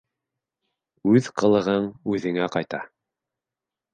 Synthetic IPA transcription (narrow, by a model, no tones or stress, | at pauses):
ʉðqɤ̆lˠɤ̆ʁɤɴʉðɘ̆ŋæqɑjt̪ɑ